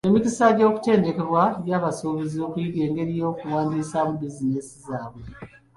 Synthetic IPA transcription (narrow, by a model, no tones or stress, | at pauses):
emikisaɟo̞ːku̥te̞ːnde̞ke̞βwajaːβaso̞ːβezioːkujiɡe̞ːŋɡe̞ɾijo̞ːkuwaːndiːsamubizine̞sizaːβwe